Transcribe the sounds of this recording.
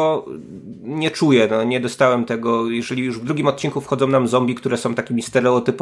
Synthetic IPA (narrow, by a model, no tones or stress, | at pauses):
ɔ | ɲɛt͡ʂujɛnɔɲɛd̪ɔst̪awɛmt̪ɛɡɔjɛʐɛlʲijuʐvd̪ɾuɡʲimɔt̪̚t͡ɕiŋkufxɔd̪zɔ̃w̃namzɔmbʲikt̪uɾɛsɔ̃w̃t̪akʲimʲist̪ɛɾɛɔt̪ɘpɔ